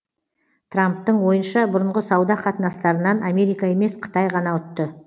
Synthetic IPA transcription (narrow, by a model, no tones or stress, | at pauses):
t̪ʰramp̚t̪əɴwo̞jənʃɑbʊɾəɴʁəsɑwd̪ɑqʰɑt̪ənɑst̪ɑɾənɑname̞ɾijkɑe̞me̞sqʰə̥t̪ɑjʁɑnɑʊt̪ːə